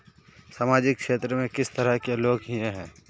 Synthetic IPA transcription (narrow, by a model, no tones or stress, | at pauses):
saːmaːd͡ʒɪkʃeːt̪ɾəmẽkɪst̪ɐɾəkeloːɡɦiẽɦɛ̃ː